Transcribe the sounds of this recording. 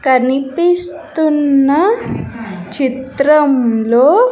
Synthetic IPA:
kɐnipist̪unːɐ | t͡ʃit̪ɾɐmloː

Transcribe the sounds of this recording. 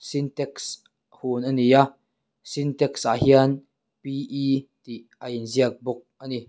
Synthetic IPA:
sint̪ɛks | hunʔanija | sint̪ɛksʔahian | piʔit̪iʔajinziək̚bʊk̚ʔani

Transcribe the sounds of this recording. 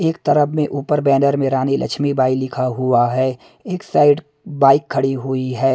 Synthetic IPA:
eːkt̪əɾəbmẽʔuːpəɾbɛːnəɾmẽɾaːnelʔɐ̰kt͡ʃʰmibaːilɪkʰaɦʊaɦɛː | eːksaːɪɖ | baːɪkʰːɐɽiɦuiɦɛː

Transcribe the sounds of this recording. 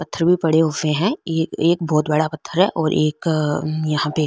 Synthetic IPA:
pɐt̪ʰːəɾbʱipɐɽeʊfẽɦɛ̃ːeːk̚bɔːt̪bɐɽapɐt̪ʰːəɾɦɛʔɔːɾʔeːkjɐɦãpe

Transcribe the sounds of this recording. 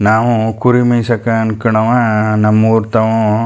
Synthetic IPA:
naːʋũkuɾimɐjsɐkːaːnkɪɳɐʋaːnɐmːuɾt̪ɐʋõ

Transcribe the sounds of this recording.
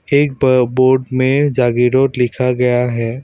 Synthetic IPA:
eːk̚bboːɾɖmẽd͡ʒaːɡiɾoːʈlɪkʰaɡɐjaɦɛː

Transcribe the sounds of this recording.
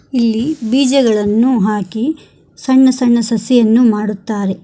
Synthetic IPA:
ilːibiːd͡ʒɐɡɐɭɐnːuɦaːki | sɐɳːɐsɐɳːɐsɐsɛjɐnːumaːɽut̪ːaːɾe̞

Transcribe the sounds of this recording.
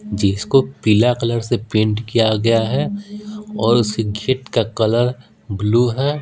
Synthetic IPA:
d͡ʒɪskopiːlakɐləɾsepẽːɳʈkijaɡɐjaɦɛ | ɔːɾʊskeɡʱɪʈkakɐləɾ | bluːɦɛː

